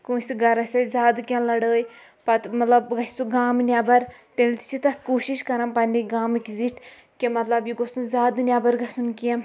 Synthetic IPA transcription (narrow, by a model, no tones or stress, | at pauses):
kũsɡɐɾɐsʲɐzʲaːd̪kʲẽnlɐɽəːj | pɐt̪mɐt̪lɐbɡɐ̥suɡaːmnʲaːbɐɾt̪ent̪i̥t͡ʃʰit̪ɐt̪ʰkoːʃiʃkɐɾãnpɐ̃nd̪ĩɡaːmikziʈʰ | kemɐt̪lɐbjiɡosũzʲaːd̪nʲaːbɐɾɡɐsunkijã